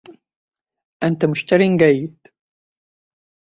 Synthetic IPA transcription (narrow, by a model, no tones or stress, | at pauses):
ʔant̪amʊʃt̪aɾinɡajːɪd̪̥